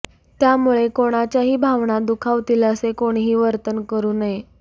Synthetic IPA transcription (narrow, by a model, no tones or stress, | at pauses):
t̪jamuɭekoɽ̃at͡ɕjaɦiːbʱaʋɳad̪ukʰaʋt̪iləsekoɽ̃iɦiːʋəɾt̪ənkəɾuːnaje